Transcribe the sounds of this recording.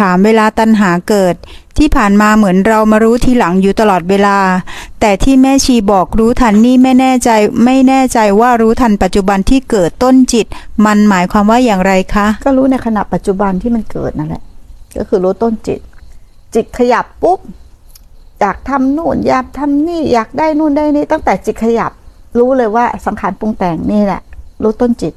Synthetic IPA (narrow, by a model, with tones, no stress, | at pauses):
aː˩˦mweː˧laː˧t̪a˧nɦaː˩˦kɤː˨˩t̪̚ʰː | iː˥˩pʰaː˨˩nmaː˧mɯ˩˦ənɾa˧wmaː˧ɾuː˦˥t̪ʰiː˧la˩˦ŋjuː˨˩t̪a˧lɔː˨˩t̪̚weː˧laː˧t̪ɛː˨˩t̪ʰiː˥˩mɛː˥˩t͡ɕʰiː˧bɔː˨˩k̚ɾuː˦˥t̪ʰa˧nːiː˥˩ma˥˩jnɛː˥˩t͡ɕa˧jma˥˩jnɛː˥˩t͡ɕa˧jwaː˥˩ɾuː˦˥t̪ʰa˧npa˨˩t̪̚t͡ɕu˨˩ba˧nt̪ʰiː˥˩kɤː˨˩t̪ːo˥˩nt͡ɕi˨˩t̪̚ma˧nmaː˩˦jkʰwaː˧mwaː˥˩jaː˨˩ŋɾa˧jkʰa˦˥kɔː˥˩ɾuː˦˥na˧jkʰa˧na˨˩ʔpːa˨˩t̪̚t͡ɕu˨˩ba˧nt̪ʰiː˥˩ma˧nkɤ̰ː˨˩t̪̚na˧˩lɛ̰˨˩ʔkɔ̰ː˥˩kʰɯː˧ɾuː˦˥t̪o˥˩nt͡ɕḭ˨˩t̪̚ | t͡ɕi˨˩t̪̚kʰa˧ja˨˩pːu˦˥p̚ | jaː˨˩k̚t̪ʰa˧mnuː˥˩njaː˨˩k̚t̪ʰa˧mniː˥˩jaː˨˩k̚daː˥˩jnuː˥˩ndaː˥˩jniː˥˩t̪a˥˩ŋt̪ɛː˨˩t͡ɕi˨˩t̪̚kʰa˧ja̰˨˩p̚ | ɾuː˦˥lɤː˧jwaː˥˩sa˩˦ŋkʰaː˩˦npu˧ŋt̪ɛː˨˩ŋniː˥˩lɛ̰˧˩ʔɾuː˦˥t̪o˥˩nt͡ɕi˨˩t̪̚